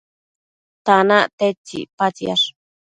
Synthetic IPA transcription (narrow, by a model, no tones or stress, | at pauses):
t̪anaʔt̪et͡ʃːḭpat͡sja̰ʂ